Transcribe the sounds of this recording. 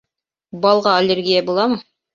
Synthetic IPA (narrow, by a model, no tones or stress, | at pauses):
bɑlˠʁɑɐlʲerɡʲijabulˠɑmɤ